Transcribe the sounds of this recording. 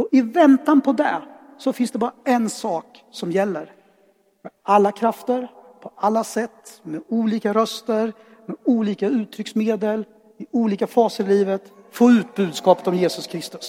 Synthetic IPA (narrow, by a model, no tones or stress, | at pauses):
ɔʔɪvɛnt̪anpʰɔd̪ɛ | sɔfɪnsd̪ɛbɑːɾaɛnsɑːk | sɔmjɛlːəɾ | mɛalːakʰɾaft̪əɾpʰɔʔalːasɛt̪ːmɛuːliːkaɾœst̪əɾ | mɛuːliːkaʉ̟ːt̪ʰːɾʏksmeːd̪əl | ɪuːliːkafɑːsəɾɪliːvət̪foːʉ̟ːt̪̚bʉ̟ːd̪skɑːpə̥t̪ɔmjeːsɵskʰɾɪst̪ɵ̥s